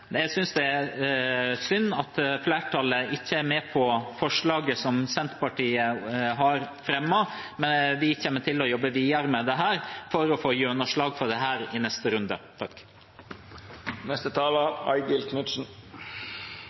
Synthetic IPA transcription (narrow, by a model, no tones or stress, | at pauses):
jæɪsʏnsd̪ɛæ | sʏnːɑt̪flæːʈʰɑləʔɪçːəæɾmeːpʰɔfɔʂɭɑːɡəsɔmsɛnt̪pɑʈʰiːəɦɑɾfɾɛmːɑ | mɛnʋɪçɛːnːəʈʰɪlɔjɔbːəʋiːɑɾəmɛd̪ɛɦæːɾfɔɾɔfoːjøːnəʂɭɑːɡfɔɖ̪ɛɦæːɾɪnɛst̪əɾʉnd̪ət̪ʰɑkː | nɛst̪ət̪ʰɑːlɑɑ̰ɪɡəlkʰnʉt̪sn̩